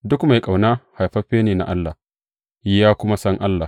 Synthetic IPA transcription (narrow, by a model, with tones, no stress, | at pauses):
dʊ˦kma˨jkʼa˨wnaː˦ha˨jɸɐ˦ɸeː˦neː˨na̰˨ʔa˦lːaː˨ | jɪ˦jaː˦kʷʊ˦ma˦sɐ˦ŋʔa˦lːa˨